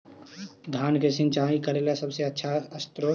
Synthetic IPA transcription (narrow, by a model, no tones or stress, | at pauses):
d̪ʱaːnkesɪ̃nt͡ʃaːĩkəɾelasəbseətːʃʰaəst̪ɾo